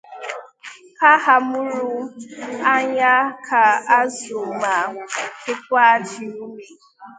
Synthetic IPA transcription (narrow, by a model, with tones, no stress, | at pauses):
ka˦ɦa˨mʊ˦ɾu˦ | a˦ɲa˦kʰa˨a˦zo˨ma˨kɪ˦k̚ʷa˦d͡ʒi˨u˦me˨